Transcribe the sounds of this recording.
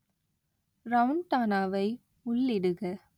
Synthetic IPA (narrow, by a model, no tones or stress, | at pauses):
ɾɐʋʊɳʈaːnaːʋɐɪ | ʊɭːɪɽɯɣɐ